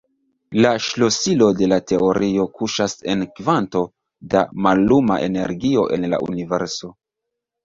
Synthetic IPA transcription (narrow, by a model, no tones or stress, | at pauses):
laʃlo̞silo̞de̞late̞o̞ɾʔio̞kuʃase̞nkvanto̞ | damalːuma̰ʔe̞̰ne̞̰ɾɡio̞ʔe̞̰nla̰ʔṵnive̞ɾso̞